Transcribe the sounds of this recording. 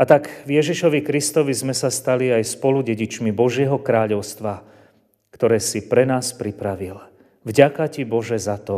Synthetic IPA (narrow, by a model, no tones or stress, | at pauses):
at̪aɡvjɛʒiʃɔʋikɾist̪ɔʋizmɛsast̪aliajspɔluɟɛɟit͡ʃmibɔʒɪɛɦɔkɾaːʎɔʊst̪ʋa | kt̪ɔɾɛːsipɾɛnaːspɾipɾaʋil | vɟakacibɔʒɛzat̪ɔ